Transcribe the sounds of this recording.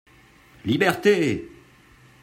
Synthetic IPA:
libɛʁt̪e

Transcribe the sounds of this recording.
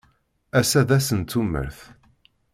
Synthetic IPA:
æsæðæsənt̪ːumːə̰ɾθ

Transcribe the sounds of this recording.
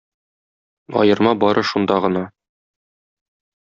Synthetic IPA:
ɒ̰jɤ̆ɾmɑbɒɾʔɤʃund̪ɑʁɤ̆nɑ

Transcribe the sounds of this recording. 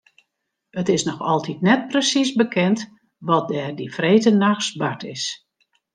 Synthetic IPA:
ətɪsnɔxɔlˠtitnɛt̚prəsisbəkʰɛnt | ʋɔt̚dɛːrdifreːtənaxsbatʰɪs

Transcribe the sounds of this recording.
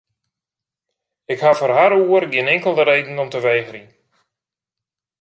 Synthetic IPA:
ɪkhafərɦaɾuərɡɪənɪŋkəlˠdəɾejdn̩ɔmtəʋejɣəɾi

